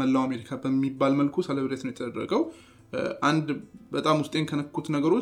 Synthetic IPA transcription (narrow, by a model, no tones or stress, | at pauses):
əlːawame̞ɾikʰabəmːibːalməlkʰusələβɨɾet̪nəwjɛt̪ʰəd̪əd̪ɾə̰ɡəw | ʔand̪bət̪ʼamwʊst̪ʼe̞nkʰənəkːut̪nəɡəɾo̞